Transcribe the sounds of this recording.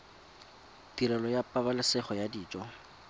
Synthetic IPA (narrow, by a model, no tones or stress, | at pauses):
tiɾɛlɔjapʼabalɪsɛχɔjadiːt͡ʃʼɔ